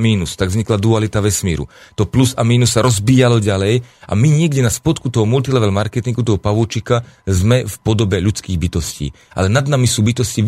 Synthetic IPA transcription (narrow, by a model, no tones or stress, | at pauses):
miːnust̪aɡvzɲiklad̪ualit̪aʋɛsmiːɾṵt̪ɔplusamiːnussːaɾɔzbiːjalɔɟalɛjʔa̰miɲɪɛɡɟɛnaspɔt̪kut̪ɔɦɔmult̪ilɛʋɛlmaɾkɛt̪iŋɡut̪ɔɦɔpaʋut͡ʃikazmɛfpɔd̪ɔbɛʎut͡skiːɣbit̪ɔscḭː | ʔa̰lɛnad̪namisuːbit̪ɔsci